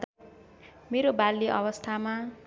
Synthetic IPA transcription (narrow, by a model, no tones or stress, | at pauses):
meɾobalːiʔʌwʌst̪ʰama